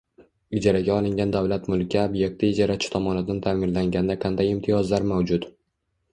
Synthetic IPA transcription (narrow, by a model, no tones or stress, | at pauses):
ɪd͡ʒaɾaɡʲaɒlˠɪŋɡʲand̪avlat̪mʊlˠkʲːaobje̞k̚t̪ʰɪːd͡ʒɒɾat͡ʃʰɪ̥t̪ʰɒmɒnɪd̪ant̪ʰamɪnlaŋɡʲand̪aqʰɑnd̪ajɪmt̪ʰɪjɒzlaɾmawd͡ʒʊt̪